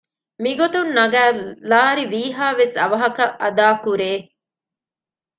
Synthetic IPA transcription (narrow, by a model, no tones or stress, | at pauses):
miɡot̪unːɐɡæːlaːɾiʋiːɦaːʋesɐʋɐɦɐkɐʔɐd̪aːkuɾeː